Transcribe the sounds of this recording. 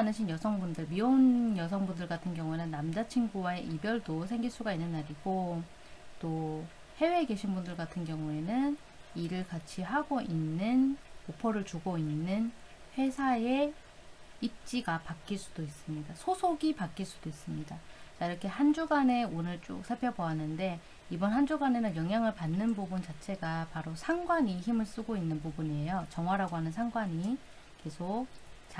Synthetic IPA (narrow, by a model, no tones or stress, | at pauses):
anɯɕʰinjʌsʰʌŋbundɯɭmionjʌs̬ʰʌŋbundɯɭɡatʰɯnɡjʌŋue̞nɯnːamd͡ʑat͡ɕʰiŋɡuwaeʔibjʌɭdos̬ʰe̞ŋɡiɭs͈uɡainːɯnːaɾiɡo | t͈o | he̞we̞ːɡe̞ɕʰinbundɯɭkatʰɯnɡjʌŋue̞nɯn | iɾɯɭkat͡ɕʰiɦaɡoʔinːɯnkopʰʌɾɯɭt͡ɕuɡoinːɯn | ɸwe̞sʰae̞ | ip̚t͡ɕ͈iɡapak͈iɭs͈ud̥ois͈ɯmɲidasʰosʰoɡipak͈iɭs͈ud̥ois͈ɯmɲidat͡ɕaiɾʌkʰe̞ɦand͡ʑuɡane̞onɯɭt͡ɕ͈o̰k̚sʰaɭpʰjʌbʌanːɯnde̞ | ibʌnɦand͡ʑuɡane̞nɯnjʌŋɦjaŋɯɭpanːɯnbubunt͡ɕat͡ɕʰe̞ɡapaɾosʰaŋɡwaɲiçimɯɭs͈ɯɡoinːɯnpubuniejot͡ɕʌŋwaɾaɡoɦanɯnsʰaŋɡwaɲi | ke̞sʰok̚t͡ɕ